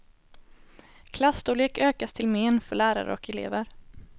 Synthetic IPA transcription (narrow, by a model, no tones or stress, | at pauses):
kʰlast̪ʊleːkøːkast̪ʰɪlmeːnfœɭæːɾa̰ɾə̰ɔkɛlḛːvəɾ